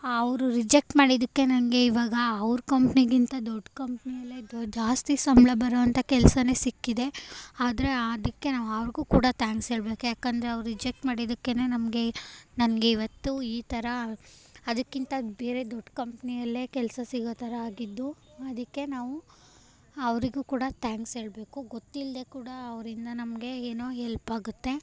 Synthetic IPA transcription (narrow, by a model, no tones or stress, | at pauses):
ɐʋɾuɾid͡ʒek̚ʈmaːɽid̪ɐkːe̞nɐnɡe̞iʋaːɡɐːʋɾukɐmpniɡint̪ɐd̪ɔɖːkɐmpnijɐlːed͡ʒaːst̪isɐmbɭɐbʱɐɾoːʋɐnt̪ʰɐkɛlsɐne̞ːsikːid̪e̞aːd̪ɐɾe̞d̪ɐkːe̞naːʋuɐʋɾɡuːkuːɽɐt̪ʰaːŋkseːɭbeːkujaːkɐnd̪ɐɾeɐʋɾuɾid͡ʒek̚ʈmaːɽid̪ɐkːe̞ne̞ːnɐmɡe̞nɐnɐɡe̞iʋɐt̪ːuiːt̪ɐɾɐ | ɐd̪ɐkːint̪ɐbe̞ːɾe̞d̪oɖːkɐmpnijɐlːe̞ːkɛlsɐsiɡot̪ʰɐɾɐaːɡid̪ːuɐd̪ɐkːe̞naːʋu | ɐʋɾiɡuːkuːɽɐt̪ʰaːŋksɦe̞ːɭbe̞ːkuɡot̪ːild̪e̞kuːɽɐɐʋɾind̪ɐnɐmɡe̞eːnoːɦɛlpaːɡut̪ːe̞